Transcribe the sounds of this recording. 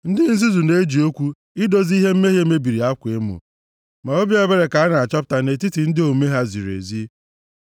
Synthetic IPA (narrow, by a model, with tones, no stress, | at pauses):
n̩˦dɪ˦n̩˦z̬i˦zu˨ne˦d͡ʒi˨o˦kʷu˦ | ɪ˦do˦zi˦ɦe˦m̩˦me˦ɦje˦me˦bi˨ɾi˨a˦kʷe˦mṵ˨ | ma˨o˦bi˦e˦be˦ɾe˨ka˨a˦na˨a˨t͡ʃɔ˦p̬̚ta˨ne˨ti˦ti˨n̩˦dɪ˦o˨me˦ɦa˦zḭ˨ɾḛ˨zi˦